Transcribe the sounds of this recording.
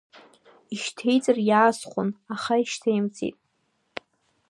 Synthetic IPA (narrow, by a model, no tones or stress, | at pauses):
iʃtʰejt͡sʼɨrjaːsχʷʊnaχaiʃtʰajmt͡sʰʼḭtʼ